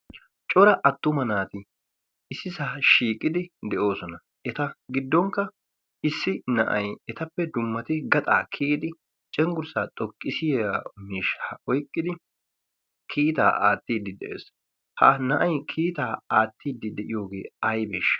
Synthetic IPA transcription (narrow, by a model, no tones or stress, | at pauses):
t͡ʃʼɔɾɐʔɐt̪ːʊmɐnaːt̪ɪ | ɪsːɪsaːʃiːkʼːɪd̪ɪd̪ɛʔo̞ːsɔnɐ | ʔɛt̪ɐɡɪd̪ːɔŋkːɐ | ɪsːɪnɐ̰ʔɐjɛt̪ɐpːɛd̪ʊmːɐt̪ɪɡɐt̪ʼaːkʰiːd̪ɪ | t͡ʃʼɛŋɡʊɾsaːt̪ʼɔkʼːɪsɪjamiːʃːaɔjkʼːɪd̪ɪ | kʰiːt̪a̰ːʔaːt̪ːiːd̪ːɪd̪ɛʔḛːs | hɐ̰nɐʔɐjkʰiːt̪aːaːt̪ːiːd̪ːɪd̪ɛʔɪjo̞ːɡe̞ːɐjbḛːʃɐ̥